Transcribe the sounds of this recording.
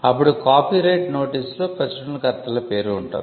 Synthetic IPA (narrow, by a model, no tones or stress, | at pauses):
ɐpːuɽukaːpiːɾɐjʈno̞ːʈiːsloːpɾɐsiɖɐlkɐɾt̪ɐlɐpe̞ːɾuːɳʈṵː